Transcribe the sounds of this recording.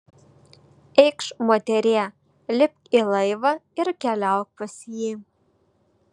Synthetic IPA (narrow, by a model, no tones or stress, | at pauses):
ɛɪkʃmoːt̪ʲɛɾʲeː | lʲɪp̚kilˠɐɪʋɐɪɾkʲɛlʲæʊk̚pɐsʲjiː